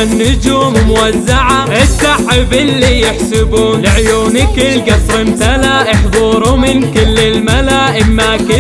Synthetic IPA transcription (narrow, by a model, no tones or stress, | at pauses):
anːɪd͡ʒummwazːaʕaʔɪsaʕɪbɪlːijɪħsɪbuːnlɪʕjuːnɪkɪlɡɑsˤɾɪmt̪alaʔɪħðˤuːɾumɪnkɪlːɪlmalaʔɪmːakɪ